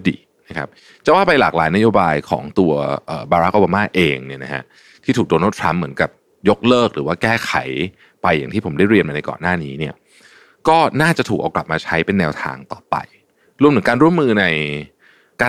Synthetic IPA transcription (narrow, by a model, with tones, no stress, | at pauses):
dḭː˨˩ | na˦˥kʰa̰˦˥p̚ | t͡ɕa˨˩waː˥˩pa˧jlaː˨˩k̚la̰ː˩˦jna˦˥joː˧baː˧jkʰɔ̰ː˩˦ŋt̪u˧ɐʔəː˨˩baː˧ɾa˦˥k̚ʔoː˧baː˧maː˥˩ʔeː˧ŋni˥˩ɐna˦˥kʰa̰˦˥ʔ | t̪ʰiː˥˩t̪ʰuː˨˩doː˧na˥˩t̪ʰɾa˦˥mːɯ˩˦nka˨˩p̚ | jo˦˥k̚lɤː˥˩k̚ɾɯ̰ː˩˦waː˥˩kɛː˥˩kʰa˩˦j | pa˧jːa̰˨˩ŋt̪ʰiː˥˩pʰo˩˦nda˥˩jɾi˧ənma˧na˧jkɔ̰ː˨˩nːaː˥˩niː˦˥ni˥˩ɐ | kɔː˥˩naː˥˩t͡ɕa˨˩t̪ʰuː˨˩k̚ʔaː˧wkla˨˩p̚maː˧t͡ɕʰa˦˥jpe˧nːɛː˧wt̪ʰa̰ː˧ŋt̪ɔ̰ː˨˩pa̰˧j | ɾu˧mt̪ʰkaː˧nɾu˥˩əmːɯː˧na˧j | kaː˧